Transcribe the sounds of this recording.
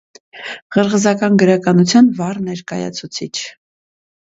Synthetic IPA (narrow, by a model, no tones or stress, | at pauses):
ʁəɾʁəzɑkɑnɡəɾɑkɑnut͡sʰjɑnvɑrnɛɾkɑjɑ̰t͡sʰut͡sʰit͡ʃʰ